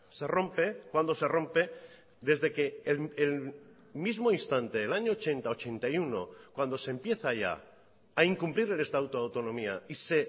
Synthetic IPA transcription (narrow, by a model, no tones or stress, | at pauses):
se̞rõ̞mpe̞kwand̪o̞se̞ro̞mpe̞ | d̪e̞zðe̞kelːl | mizmo̞inst̪ant̪eːlaɲo̞ːt͡ʃe̞nt̪ao̞t͡ʃe̞nt̪ajuno̞̰kwand̪o̞sempje̞θaʝa̰ | aiŋkumpliɾelest̪awt̪oawt̪o̞nõ̞miaise